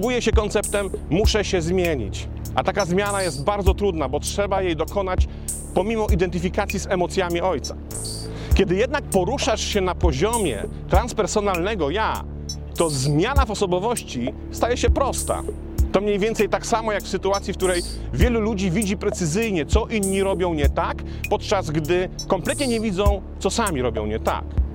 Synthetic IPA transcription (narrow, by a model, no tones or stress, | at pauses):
bujɛɕɛkɔnt̪sɛpt̪ɛmːuʂɛɕɛzmʲjeɲḭt͡ɕ | ʔa̰t̪akazmʲjanajɛst̪baɾd̪zɔt̪ɾud̪nabɔtʂɛbajejd̪ɔkɔnat͡ɕ | pɔmʲimɔʔid̪ɛnt̪̬ɘfʲikat̪sʲjizɛmɔt̪sʲjamʲiɔjt̪sḁ | kʲɛd̪ɘjɛd̪̚nak̚pɔɾuʂaʂɕɛnapɔʑɔmʲjɛ̰ | t̪ɾanspɛɾsɔnalnɛɡɔja̰ | t̪ɔzmʲjanavɔsɔbɔvɔɕt͡ɕi | st̪ajɛɕɛpɾɔst̪a̰ | t̪ɔmɲejvʲjɛnt̪sɛjt̪aksamɔjakfsɘt̪uat̪sʲjifk̚t̪uɾɛj | vʲjɛlulud͡ʑivʲid͡ʑipɾɛt̪sɘzɘjɲɛt̪sɔʔinɲiɾɔbʲjɔ̃w̃ɲɛt̪ak | pɔt̪t͡ʂazɡd̪ɘ | kɔmplɛt̪̚ɲɛɲɛvʲid̪zɔ̃w̃ | t̪sɔsamʲiɾɔbʲjɔ̰̃w̃ɲɛt̪a̰k